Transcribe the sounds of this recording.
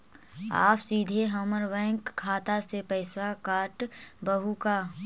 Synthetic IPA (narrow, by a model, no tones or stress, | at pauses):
a̰ːpsiːd̪ʱeɦɔməɾbɛ̃ːŋkʰːaːt̪asepəɪswakaːʈbəɦuka